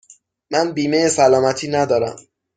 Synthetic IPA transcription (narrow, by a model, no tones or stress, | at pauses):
mænbiːmejesælɒːmæt̪ʰiːnæd̪ɒːɾæ̰m